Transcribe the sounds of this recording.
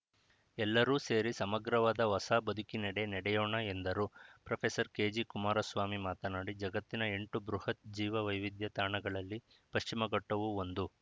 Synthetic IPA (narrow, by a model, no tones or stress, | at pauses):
ɛlːɐɾuːse̞ːɾisɐmɐɡɾɐʋaːd̪ɐʋɐsaːbɐd̪ʱukinɛɽe̞nɛɽɛjoːɳɐend̪ɐɾuːpɾɐpʰesɐɾke̞ːd͡ʒikumaːɾɐsʋaːmimaːt̪ɐnaːɽid͡ʒɐɡɐt̪ːinɐe̞ɳʈubɾuhɐt̪̚d͡ʒiːʋɐʋɐjʋid̪jɐt̪aːɳɐɡɐɭɐlːi | pɐʃt͡ʃimɐɡɐʈːɐʋuond̪u